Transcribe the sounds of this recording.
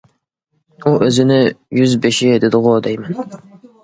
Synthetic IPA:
uʔøzɪnɪjyzbeʃɪd̪ɪd̪ɨʁod̪ɛjmɛn

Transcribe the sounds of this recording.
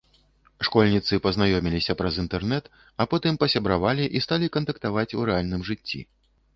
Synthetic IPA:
ʂkɔlʲnʲit̪sɨpɐznajɔmʲilʲisʲɐpɾɐzint̪ɛrnɛt̪ | ɐpɔt̪ɨmpɐsʲɐbɾavalʲiʔist̪alʲikɐnt̪ɐkt̪avat͡sʲuɾɛalʲnɨmʐɨt͡sʲːḭ

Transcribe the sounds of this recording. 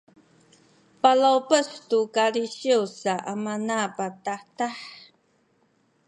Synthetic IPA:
palawpəstukaliʃiusaʔamanapat̪aħtaħ

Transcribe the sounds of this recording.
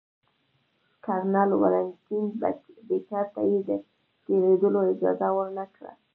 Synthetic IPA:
kɑɾnɑlwa̰lant̪inbbet͡ʃɑɾt̪ajed̪ə | t̪eɾed̪əloɪd͡ʒɑ̰zawəɾnakɽa̰

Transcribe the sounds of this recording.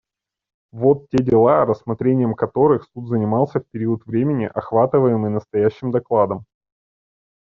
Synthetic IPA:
vo̞t̪tʲedʲɪlˠaɾəsmɐt̪ɾʲenʲɪjəmkɐt̪o̞ɾɨxsut̪zənʲɪmɑlˠsʲəfpʲɪɾʲiət̪vɾʲemʲɪnʲɪ̰ʔɐxvat̪ɨvəjɪmɨjnəst̪ɐjæɕːɪmd̪ɐklˠad̪əm

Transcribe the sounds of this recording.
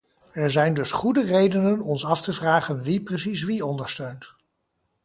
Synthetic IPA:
ɛɹzɛjndɵsχudərejdənənɔnsɑftəvraːχənʋiprəsisʋiɔndəɹstøɥnt

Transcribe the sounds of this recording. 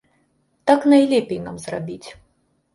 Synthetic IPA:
t̪aknajlʲɛpʲejnamzrabʲit͡sʲ

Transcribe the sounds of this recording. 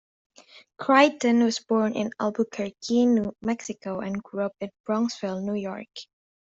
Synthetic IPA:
kʰɹ̥aɪtɨ̃nwʌzbɔɹnɪ̰̃nalˠbukʰə˞kʰinmɛksɪkoʊʔɨ̃nɡɹuʌpɨ̃nb̥ɹɔ̃ŋsvɪlˠnujɔ̰ɹk

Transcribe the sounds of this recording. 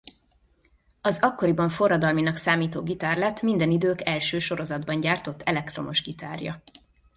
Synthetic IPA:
ɒzɒkːo̞ɾibɒɱfo̞rːɒd̪ɒlminɒksaːmiːt̪oːɡit̪aːrlɛt̪mind̪ɛnid̪øːkɛlʃøːʃo̞ɾo̞zɒd̪bɒɲɟaːrt̪o̞t̪ːʰɛlɛk̚t̪ro̞mo̞ʒɡit̪a̰ːrjɒ̰

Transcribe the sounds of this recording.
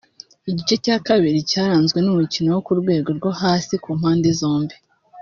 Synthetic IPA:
iɟit͡ʃe̞caːkaβiɾicaːɾaːnzɡwe̞numucinowokuɾɡwe̞ːɡo̞ɾɡo̞haːsikuːm̥haːndezo̞ːmbi

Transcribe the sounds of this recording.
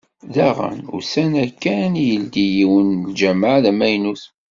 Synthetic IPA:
ðæʁə̰nʊ̰ɾsænækːænjəld̪ijiwənld͡ʒæmaʕðæmæjnus

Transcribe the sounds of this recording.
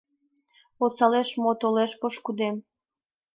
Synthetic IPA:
osɑleʃmot̪oleʃpoʃkud̪em

